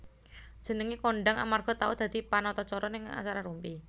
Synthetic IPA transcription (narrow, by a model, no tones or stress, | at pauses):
d͡ʒ̥ə̤nəŋikoɳɖaŋa̰marɡ̥ɔ̤t̪aud̪̥a̤d̪̥i̤panɔt̪ɔt͡ʃɔɾɔnɪŋa̰t͡ʃaɾaɾumpi